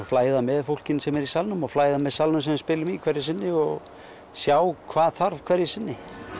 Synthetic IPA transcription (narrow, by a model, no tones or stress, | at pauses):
flaːjðamɛðfowl̥cɪnsɛmɛɾisalnʏmɔɣflaːjðamɛðsalnʏmsɛmspɪːlʏmikʰvɛɾjɪsɪnːɪɔɣ | sjaːwkʰvaːðθaɾv̥kʰvɛɾjɪsɪnːɪ